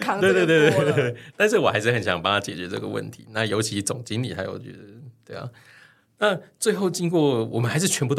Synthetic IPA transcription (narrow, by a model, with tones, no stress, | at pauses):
we˥˧t̪wt̪wt̪we˥e˥˩t̪a˥˧nʂ̬ɻ̩˥˩wɔ˨˩xa˧˥ɪʂɻ̩˥˩xə˨˩nɕjɑ̰˧˦ŋpɑ˥˧ŋt̪ʰa˥˧t͡ɕjɛ̰˨˩t͡ɕɥɛ˧˥ʈ͡ʂɤ̰˥˩ɡə̰˩wə̰˥˩nt̪ʰḭ˧˦na˥˩jo˧˥ʊt͡ɕʰi˧˥t͡sʊ˨˩ŋt͡ɕi˥ŋli˨t̪ʰa˧˥jo̰˨˩ʊt͡ɕy̰˥˩ə˧t̪we˥˩ɪɑ̰˨˩ | na˥˨t͡swe˥˧ɪxo˥˩ʊt͡ɕi˥nŋkwɔ˥˩wɔ˨˩mə˦nxa˧ɪʂɻ̩˥˩t͡ɕʰɥɛ˧˥nbu˧˩